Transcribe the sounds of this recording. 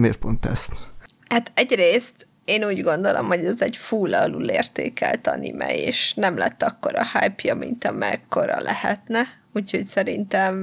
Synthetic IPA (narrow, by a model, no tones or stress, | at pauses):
meːrpont̪ɛst̪ | hat̪ɛɟreːst̪ | eːnuːɟɡo̞n̪d̪o̞lʔo̞mho̞ɟɛzɛɟfuːlːɒɒluːleːrt̪eːkɛlt̪ɒnimɛjeːʃnɛmlɛt̪ːɒkːo̞ɾɒhajpjɒmḭnt̪ɒmɛkːo̞ɾɒlʔɛhɛt̪nɛ | uːcho̞csɛɾint̪ɛm